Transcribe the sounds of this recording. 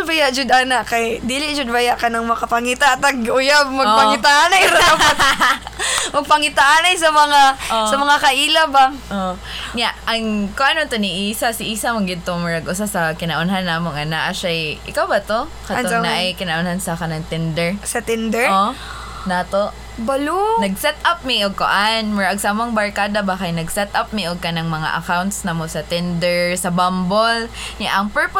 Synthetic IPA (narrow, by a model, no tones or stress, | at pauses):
bajaʔd͡ʒʊd̪ʔaːnaʔkɐjd̪iːlɪd͡ʒʊd̪̚bɐjaʔkɐnɐŋmɐkɐpɐŋit̪aʔɐt̪ɐɡʔʊjab̚mɐɡpɐɪt̪aʔanajɾ | mɐɡ̚pɐŋɪt̪aʔaːnajsɐmɐŋaʔosɐmɐŋakɐʔiːlɐbaʔo | ɲaʔɐŋkoŋʔɐnont̪oniʔiːsasɪʔiːsɐmɐŋɡɪd̪̚t̪omɛɹɐɡʔʊsasɐkɪnɐʔʊnɦanːaːmoŋʔɐnaʔaʃajʔɪ̰kawbɐt̪o | kɐt̪onaʔajkɪnɐʔʊnhansɐkɐnaŋt̪ɪnd̪ɛɹsɐt̪ɪnd̪ɛo | nat̪oʔ | bɐlunɐɡsɛt̪ʔap̚miʔʊɡ̚ko̰ʔanmʊɹaʔɐɡsamoŋbɐɹkaːd̪ɐbakɐjnɐɡsɛt̪ʔap̚miʔʊɡ̚kɐnaŋmɐŋa̰ʔɐ̰kawnt̪snɐmosɐt̪ɪnd̪ɛɹsɐbambolɲaʔɐŋpɛɹp